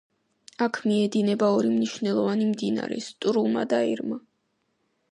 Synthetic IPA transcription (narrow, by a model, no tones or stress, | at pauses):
akʰmiɛd̪inɛbaɔɾimniʃvnɛlˠɔvanimd̪ina̰ɾɛ̰st̪ʼɾuma̰d̪aiɾma